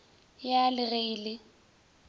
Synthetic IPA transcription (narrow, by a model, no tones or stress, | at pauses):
jalɪɣeiːlɪ